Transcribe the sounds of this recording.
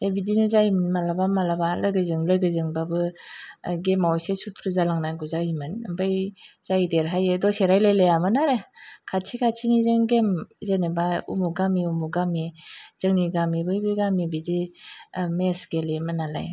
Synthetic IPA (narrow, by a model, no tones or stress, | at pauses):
zajbidinɯzajmɯnmalabamalabaləɡɯzɯŋləɡɯzɯŋbabɯ | ɡemawjsesutʰɾɯzalaŋnajɡuzajimɯnbɯjz̥ajdeɾɦajedɔseɾajlajlejamɯnaɾekʰatsʰikʰatsʰimizɯŋɡemzenebaṵmuɡamiumuɡamiz̥ɯŋniɡamibɯjbɯɡamibidi | mesɡ̥elimɯnala̰j